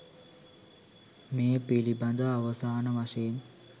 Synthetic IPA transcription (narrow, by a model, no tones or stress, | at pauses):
meːpilibɐnd̪əaʋɐsaːnəʋaʃɐjen